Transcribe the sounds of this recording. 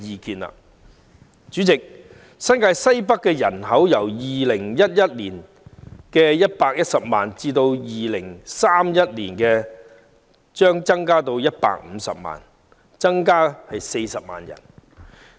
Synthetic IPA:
iː˨˧kiː˨˧nlɐ̰˨ | t͡ʃyː˨˥t͡sɪ˨k̚ | sɐ˥nkaː˧jsɐ˥jpɐ˥kːɛː˧jɐ̰˨˩nɦɐ˨˥wjɐ˨˩wjiː˨lɪ˨˩ŋjɐ˥t̚jɐ˥t̚liː˨˩n | kɛː˧jɐ˥t̚paː˧k̚jɐ˥t̚sɐ˨p̚ma̰ː˨nt͡siː˧t̪o˧wjiː˨lɪ˨˩ŋsaː˥mjɐ˥t̚lḭː˨˩nkɛː˧ | t͡ʃœː˥ŋt͡sɐ˥ŋkaː˥t̪o˧wjɐ˥t̚pa̰ː˧k̚m̩˨˧sɐ̰˨p̚ma̰ː˨n | t͡sɐ˥ŋkaː˥hɐ˨jse˧jsɐ˨p̚ma̰ː˨˩njɐ̰˨˩n

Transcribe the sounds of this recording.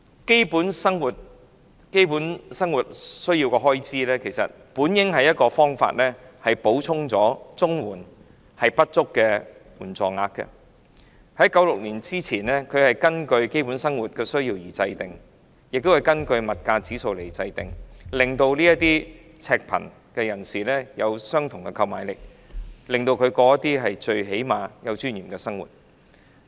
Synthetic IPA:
ke˥jpuː˨˥nsɐ˥ŋwuː˨t̚ | ke˥jpu˨˥nsɐ˥ŋwuː˨˩t̚sɵ˥ɥjiː˧wkɛ˧ɦɔː˥jt͡siː˥lɛː˥kʰe˨˩jsɐ̰˨t̚puː˨˥njɪ˥ŋhɐ˨jɐ˥t̚kɔː˧fɔː˥ŋfa̰ː˧t̚lɛː˥hɐ˨jpo˨˥wt͡sʰʊ˥ŋt͡sɔː˨˥t͡sʊ˥ŋwuː˨˩n | hɐ˨jpɐ˥t̚t͡ʃʊ˥kːɛ˧wuː˨˩nt͡sɔ̰ː˨ŋa̰ː˧k̚kɛ̰˧ | hɐ˨˥jkɐ˨˥wlʊ˨k̚liː˨˩nt͡siː˥t͡sʰiː˨˩nlɛː˥kʰɵ˨˧ɥhɐ˨jkɐ˥nkɵ˧ɥke˥jpu˨˥nsɐ˥ŋwuː˨t̚kɛː˧sɵ˥ɥjiː˧wjiː˨˩t͡sɐ˧jt̪ɪ˨˩ŋ | jɪ˨k̚t̪o˥whɐ˨˩jkɐ˥nkɵ˧ɥmɐ˨t̚kaː˧t͡siː˨˥so˨˧wle˨˩jt͡sɐ˧jt̪ɪ˨ŋlɪ˨ŋt̪o˧wliː˥jɐ˥t̚t̪iː˥ | t͡sʰɛː˧k̚pʰɐ̰˨˩n | kɛ˧jɐ˨˩nsiː˨˩lɛː˥jɐ˨˧wsœː˥ŋt̪ʰʊ˨ŋkɛ˧kʰɐ˧wmaː˨˧jlɪ˨k̚ | lɪ˨˩ŋt̪o˧wkʰɵ˨˧ɥkɔː˧jɐ˥t̪iː˥ɦɐ˨jt͡ʃɵ˧ɥɦe˨˥jmaː˨˧jɐ˨˧wt͡ʃyː˥njiː˨˩kɛː˧sɐ˥ŋwṵː˨˩t̚

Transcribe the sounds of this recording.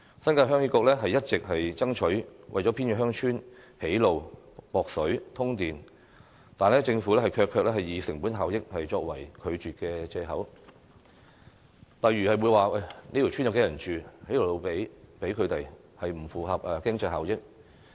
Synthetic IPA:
sɐ˥nkaː˧jɦœː˥ŋyː˧˥kʊː˧klɛː˥ɦɐ˨jɐ˥t̚t͡sɪ˨k̚hɐ˨jt͡sɐ˥ŋt͡ʃʰɵ˨˥ɥwʔɐ˨jt͡sɔː˨˥pʰi˥nkɛ˧˥ɦœː˥ŋt͡ʃʰyː˥nhe˨˥jlo˨w | pɔː˨k̚sɵ˨˥ɥt̪ʰʊ˥ŋt̪iː˨n | t̪aː˨nlɛː˥t͡sɪ˧ŋfuː˨˥lɛː˥hɐ˨jkʰœː˧kʰœː˧k̚lɛː˥hɐ˨jiː˨˧sɪ˨˩ŋpuː˨˥nɦaː˨wjɪ˥k̚hɐ˨jt͡ʃɔː˧k̚wɐ˨˩jkʰɵ˨˧ɥt͡ʃyː˨t̚kɛ˧t͡sɛː˧ɦɐ˨˥w | lɐ˨jɥyː˨˩hɐ˨jwu˨˧jwaː˨ʔɐ˨˩jnei˥t̪i˨˩t͡ʃʰy˥njɐ˨˧wke˨˧jɐ˨˩nt͡ʃyː˨he˨˥jlo˨˩wlo˨˧wpe˨˥jpe˨˥jkʰɵ˨˧ɥt̪e˨j | hɐ˨jm̩˨˩fuː˨hɐ˨p̚ʔɛː˨kɪ˥ŋt͡sɐ˧jɦaː˨wjɪ˥k̚

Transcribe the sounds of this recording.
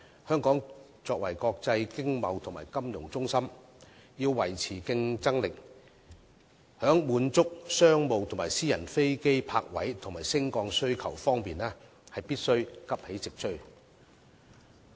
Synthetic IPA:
hœː˥ŋkɔː˨˥ŋ | t͡sɔː˧kwɐ̰˨˩jkɔː˧k̚t͡sɐ˧jkɪ˥ŋmɐ˨˧wt̪ʰŋma̰ː˨˩jkɐ˥mjʊ˨˩ŋt͡sʊ˥ŋsɐ˥m | jiː˧wːɐ˨˩jt͡sʰiː˨˩kɪ˧ŋt͡sɐ˥ŋlɪ˨k̚ | hœː˨˥ŋmuː˨˧nt͡sʊ˥k̚sœː˥ŋmo˨˧wt̪ʰʊ˨ŋmaː˨˩jsiː˥jɐ˨˩nfe˥jke˥jpʰaː˧k̚wɐ̰˨˥jt̪ʰʊ˨˩ŋmaː˨˩jsɪ˥ŋkɔː˧ŋsɵ˥ɥkʰɐ˨˩wfɔː˥ŋpiː˨nɛː˥ | hɐ˨jpiː˥t̚sɵ˥ɥkɐ˥p̚he˨˥jt͡sɪ˨k̚t͡ʃʰɵ˥ɥ

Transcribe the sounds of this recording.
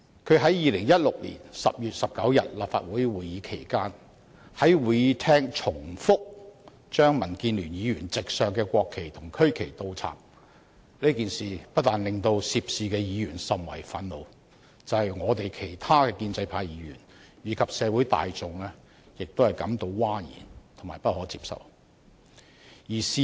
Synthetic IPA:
kʰɵ˨˧ɥɦɐ˨˥jjiː˨˧lɪ˨˩ŋjɐ˥t̚lʊ˨k̚lḭ˨˩nsɐ̰˨p̚jyː˨t̚sɐ˨p̚kɐ˨˥wjɐ̰˨t̚la̰ː˨pfa̰ː˧t̚wuː˨˥jwuː˨˩jiː˨˧kʰe˨˩jkaː˥n | hɐ˨˥jwuː˨jiː˨˧t̪ʰɛː˥ŋt͡ʃʰʊ˨˩ŋfʊ˥k̚ | t͡ʃœː˥ŋmɐ˨˩nkiː˧nlyː˨˩njiː˨˧jyː˨˩nt͡sɪ˨k̚sœː˨ŋkɛː˧kʷɔː˧kʰːe˨˩jt̪ʰʊ˨˩ŋkʰɵ˥ɥkʰe˨˩jt̪o˧wt͡sʰa̰ː˨˩m̚ | liː˥kiː˨˩nsiː˨pɐ˥t̚t̪aː˨˩nlɪ˨ŋt̪o˧wsiː˧p̚siː˨˧kɛː˧jiː˨˧ɥyː˨˩nsɐ˨mwɐ̰˨˩jfɐ˨˧˥nlo˨˧w | t͡sɐ˨˧whɐ˨jŋɔː˨˧t̪e˨jkʰe˨˩jt̪ʰaː˥kɛː˧kiː˧nt͡sɐ˧jpʰaː˧jjiː˨˥ɥy̰ː˨˩n | jiː˨˧˥kʰɐ˨p̚sɛː˨˧wuː˨˥jt̪a̰ː˨jt͡sʊ˨ŋlɛ˥ | jɪ˨k̚t̪o˥whɐ˨jkɐ˨˥mt̪o˧wwaː˥jḭː˨˩nt̪ʰʊ˨˩ŋmaː˨˩jpɐ˥t̚hɔː˨˥t͡siː˧p̚sɐ̰˨˩w | jiː˨˩siː˧

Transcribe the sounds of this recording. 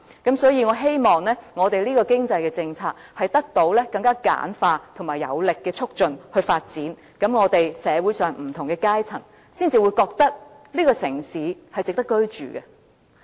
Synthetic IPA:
kɐ˨˥msɔː˨˥jiː˨˧ŋɔː˨˧ɦe˥jmɔː˨ŋlɛː˥ŋɔː˨˧t̪e˨jliː˥kɔː˧kɪ˥ŋt͡sɐ˧jkɛː˧t͡sɪ˧ŋt͡sʰaː˧k̚hɐ˨jt̪ɐ˥k̚t̪o˨˥wlɛː˥kɐ˧ŋkaː˥ka̰ː˨˥nfaː˧t̪ʰʊ˨˩ŋmaː˨˩jɐ̰˨˧wlɪ˨kːɛː˧t͡sʰʊ˥k̚t͡ʃɵ˨˧nhɵ˧ɥfaː˧t̚t͡siː˨˥n | kɐ˨˥mŋɔː˨˧t̪e˨jsɛː˨˧wuː˨˥jsœː˨ŋm̩˨˩t̪ʰʊ˨˩ŋkɛ˧kaː˥jt͡sʰɐ˨˩ŋ | siː˥nt͡siː˨wu˨˧jkɔː˧k̚t̪ɐ˥k̚ | liː˥kɔː˧sɪ˨˩ŋsiː˨˥hɐ˨jt͡sɪ˨k̚t̪ɐ˥kːɵ˥ɥt͡ʃyː˨ɡɛ˧

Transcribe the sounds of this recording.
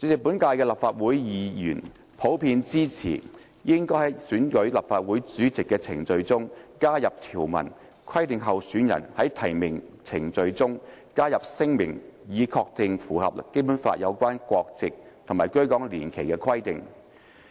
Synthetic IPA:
t͡sy˨˥t͡sɪ˨pu˨˥nkaː˧jkɛː˧lɐ˨p̚faː˧t̚wuː˨˥jjiː˨˧jyː˨˩n | pʰo˨˥wpʰiː˧nt͡siː˥t͡sʰḭː˨˩ | jɪ˥ŋkɔː˥jhɐ˨˥jsyː˨˥nkɵ˨˥ɥlɐ˨˩p̚faː˧t̚wuː˨˥jt͡syː˨˥t͡sɪ˨kːɛː˧t͡sʰɪ̰˨˩ŋt͡sɵ˧ɥt͡sʊ˥ŋkaː˥jɐ˨p̚t̪ʰiː˨˩wmɐ̰˨˩n | kʰwɐ˥jt̪ɪ˨ŋɦɐ˨wsyː˨˥njɐ̰˨˩nhɐ˨˥jt̪ʰɐ˨˩jmɪ˨˩ŋt͡sʰɪ˨˩ŋt͡sɵ˧ɥt͡sʊ˥ŋkaː˥jɐ˨p̚sɪ˥ŋmɪ̰˨˩ŋjiː˨˧kʰɔː˧k̚t̪ɪ˧ŋfuː˨˩hɐ̰˨p̚ke˥jpu˨˥nfa̰ː˧t̚jɐ˨˧wkʷaː˥nkʷɔː˧k̚t͡sɪ˨k̚t̪ʰʊ˨˩ŋmaː˨˩jkɵ˥ɥkɔː˨˥ŋliː˨˩nkʰe˨˩jkɛ˧kʰwɐ˥jt̪ɪ̰˨ŋ

